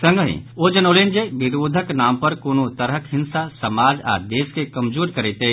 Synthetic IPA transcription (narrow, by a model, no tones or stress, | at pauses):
sə̃ŋɡɦḭ̃od͡ʒənoːlend͡ʒebiɾod̪ʱəknaːmpəɾkoːnot̪əɾɦəkɦɪnsasəmaːd͡ʒa̰ːɾd̪eːskekəmd͡ʒoːɾkəɾɛt̪e